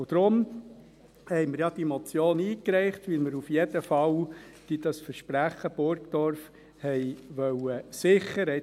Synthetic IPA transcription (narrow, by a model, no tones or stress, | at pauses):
ʊd̪̥ɾʊm | hɛɪmɪɾjɑd̥̪imɔt͡sjoːniːkɾɛɪχt̪ʋɪlməɾufjɛd̥̪əfɑwd̥id̥̪ɑsfəɾʃpɾæχːəb̥ʊɾkd̪ɔɾf | hɛɪʋœwəsɪχːəɾɛ